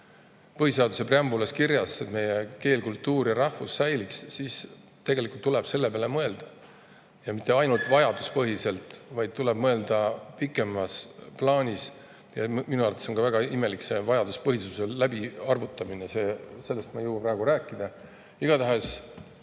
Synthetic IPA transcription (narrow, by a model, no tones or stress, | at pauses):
pɤhise̞ɑd̪use̞preɑmbulɑskirjɑset̪me̞jeke̞ːlkult̪ːˑuːrjɑɾɑhfusːæjliksːis | t̪e̞ɡ̥e̞likult̪ːuleb̥se̞lːe̞peɑlemɤe̞ld̪̥ɑ | jɑmit̪ˑːe̞ɑjnult̪ˑvɑjɑd̪̥u̥spɤɦise̞lt̪ˑvɑjd̪̥̚t̪uleb̥mɤe̞ld̪̥ɑpikːˑe̞mɑsplɑːnʲis | jɑminuɑrɑt̪eso̞ŋɡkɑvæɡ̥ɑime̞likse̞vɑjɑd̪̥uspɤɦisuse̞læbiɑrvut̪ˑːɑminese̞ːse̞lːest̪mɑjɤwɑprɑe̞ɡ̥uɾæːkːˑid̪̥ɑ | iɡ̥ɑt̪æɦes